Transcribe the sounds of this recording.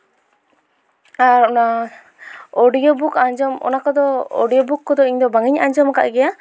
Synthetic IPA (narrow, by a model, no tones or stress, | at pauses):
aɾɔna | ɔɖijɔbukaɲd͡ʒɔmɔ̰nakɔd̪ɔɔ̰ɖijɔbukːɔd̪ɔiɲd̪ɔbaŋiɲa̰ɲd͡ʒɔmaka̰ʔɡɛja